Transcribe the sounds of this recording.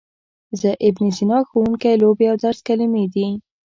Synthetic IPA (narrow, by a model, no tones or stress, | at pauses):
zəʔɪbnizinɑxowuŋkajlobeawd̪aɾskalimed̪i